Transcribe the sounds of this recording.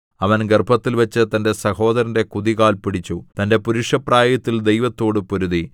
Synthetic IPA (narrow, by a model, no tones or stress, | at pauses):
ɐʋɐnɡerbʱɐt̪ːilʋɐt͡ɕːɨt̪ɐnde̞sɐho̞ːd̪ɐɾɐnde̞kuðiɣaːlpiɽit͡ɕːut̪ɐnde̞puɾuʂɐpraːjɐt̪ːild̪ejʋɐt̪ːo̞ːɽɨpoɾuði